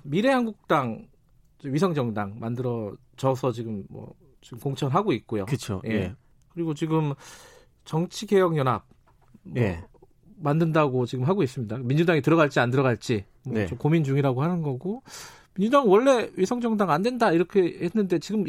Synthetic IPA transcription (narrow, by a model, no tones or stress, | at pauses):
miɾe̞ɦanɡuk̚t͈aŋ | d͡ʑeɥisʰʌŋd͡ʑʌŋdaŋmandɯɾʌ | t͡ɕʌsʰʌt͡ɕiɡɯmmʌ̰ | t͡ɕiɡɯmkoŋt͡ɕʰʌnɦaɡoik̚k͈ojo̰kɯt͡ɕʰo̰je̞ | kɯɾiɡot͡ɕiɡɯm | t͡ɕʌŋt͡ɕʰiɡe̞jʌŋjʌnɦap̚ | mʌ | mandɯndaɡot͡ɕiɡɯmɦaɡois͈ɯmɲidamind͡ʑudaŋitɯɾʌɡaɭt͡ɕ͈iandɯɾʌɡaɭt͡ɕ͈i | moomkomind͡ʑuŋiɾaɡohanɯnɡʌɡo | mind͡ʑudaŋwʌɭːe̞ɥisʰʌŋd͡ʑʌŋdaŋandwe̞ndaiɾʌkʰe̞henːɯnde̞t͡ɕiɡɯm